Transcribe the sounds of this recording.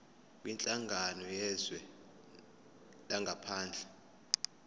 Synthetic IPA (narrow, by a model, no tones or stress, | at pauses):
wint͡ɬʼaŋɡʱanɔjɛzwɛ | laŋɡʱapʰaːnd͡ɮʱɛ